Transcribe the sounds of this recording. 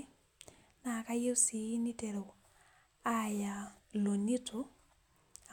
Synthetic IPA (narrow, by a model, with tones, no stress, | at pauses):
na˨ka˦je˦si˨˦ni˦tɛ˨ɾɛ˨ | a˦ja˨lo˨ni˦tʰɔ˦˨